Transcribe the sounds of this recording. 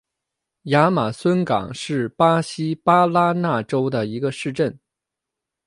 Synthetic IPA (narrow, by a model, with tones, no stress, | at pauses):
ja˧˥ma˨˩swə˥nkɑ̰˨˩ŋʂɻ̩˥˩pa˥ɕi˥pa˥la˥na˥˩ʈ͡ʂo˥ʊd̪ə˨i˧˥ɡə˧ʂɻ̩˥˧ʈ͡ʂə˥˩n